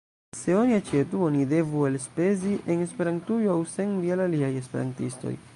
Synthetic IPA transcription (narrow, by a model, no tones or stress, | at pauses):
se̞oniat͡ʃe̞tuo̞nide̞vuelspe̞ziʔene̞spe̞ɾantujoawse̞nvielaliaje̞spe̞̰ɾa̰ntisto̰j